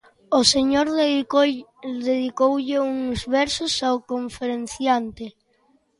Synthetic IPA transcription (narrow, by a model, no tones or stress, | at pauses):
oseɲoɾ | ðeð̞ikowʎɪuŋzβɛɾsʊsaokoɱfeɾenθjant̪ɪ